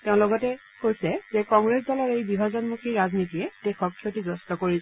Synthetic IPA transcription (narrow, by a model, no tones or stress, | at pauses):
teʊ̃lɔɡɔtɛ | kojsɛzɛkɔŋɡɹesdɔlɔɹejbibʱazɔnmukʰiɹaznitijɛd̥exɔkʰːiotizɔstɔkoɹi